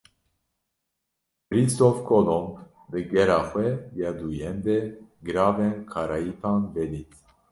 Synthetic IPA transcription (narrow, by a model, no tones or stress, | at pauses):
bɾist̪ɔfkʰɔlɔmb | d̪ɨɡɛɾaxwɛbjad̪ujɛnd̪ɛɡɾavɛnkʰɑɾajit̪ʰanvɛlit̪